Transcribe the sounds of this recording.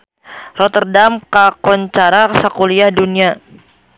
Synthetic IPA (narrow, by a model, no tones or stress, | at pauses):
rɔt̪ərdamkakɔɲt͡ʃaɾasakuliahdunia